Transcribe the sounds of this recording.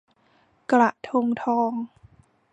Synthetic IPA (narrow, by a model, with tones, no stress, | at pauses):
kla˨˩ʔt̪ʰo˧ŋt̪ʰɔː˧ŋ